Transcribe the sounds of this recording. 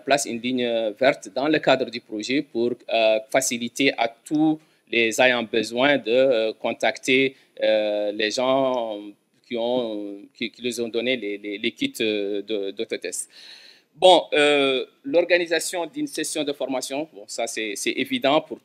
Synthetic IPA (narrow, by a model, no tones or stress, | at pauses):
plasy̰nliɲvɛʁt̪d̪ɑ̃ləkad̪ʁəd̪ypχoʒepuʁfasilit̪eʔat̪u | lɛzajɑ̃bəzwɛ̃d̪əkɔ̃t̪akt̪e | lɛʒɑ̃ | kʲiɔ̃kikʲiləzɔ̃d̪ɔnelɛlɛlekʲit̪d̪əd̪ot̪ot̪ɛst̪ | bɔ̃ø | lɔʁɡanizasjɔ̃d̪ynsesjɔ̃d̪əfɔʁmasjɔ̃bɔ̃sasɛsɛʔevid̪ɑ̃puʁ